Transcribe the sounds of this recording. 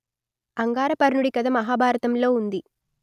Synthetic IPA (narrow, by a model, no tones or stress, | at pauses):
ɐŋɡaːɾɐpɐɾnuɽikɐd̪ɐmɐɦaːbʱaːɾɐt̪ɐmlo̞ːund̪i